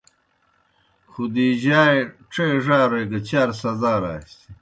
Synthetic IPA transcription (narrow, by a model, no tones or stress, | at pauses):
xud̪iʑaːʈ͡ʂeːʐaːɾɐjɡɐt͡ɕaːɾsɐzaːɾa̰ːst̪i